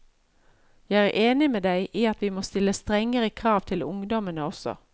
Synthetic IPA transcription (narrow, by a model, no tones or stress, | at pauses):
jæɪæːʔeːnɪmeːd̪æɪʔiːɑt̪ʋiːmoːst̪ɪlːəst̪ʁɛŋəʁəkʰʁɑːʋt̪ʰɪlʊ̰ŋd̪ɔmənəɔsɔ̰